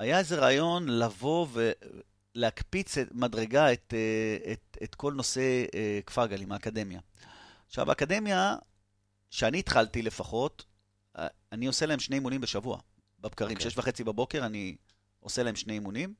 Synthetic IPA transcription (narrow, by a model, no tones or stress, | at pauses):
ajae̞ze̞ʁaːjo̞nlavo̞ve | leakpit͡semadʁe̞ɡaet̪eetet̪ko̞lno̞se̞kfaɡalimaːkade̞mja̰ | ʃa̰va̰akade̞mja | ʃeaniːt̪χaltile̞faχo̞t | anio̞selae̞mʃne̞jimunimbeʃavua̰ | bab̚kaʁimʃeeʃvaχe̞t͡sibabo̞ke̞ʁani | o̞selahemʃne̞jimunim